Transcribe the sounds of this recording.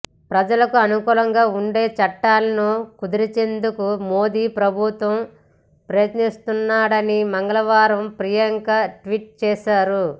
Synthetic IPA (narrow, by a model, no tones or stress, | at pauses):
pɾɐd͡ʒɐlɐkuɐnukuːlɐŋɡaːuɳɖe̞ːt͡ʃɐʈːaːlɐnoːkud̪iɾit͡ʃe̞nd̪ukumo̞ːd̪iːpɾɐbʱut̪ʋɐm | pɾɐjɐt̪nist̪unːaːɽɐnimɐŋɡɐlɐʋaːɾɐmpɾijɐŋkɐʈʋiʈ̚t͡ʃɛːʃaːɾu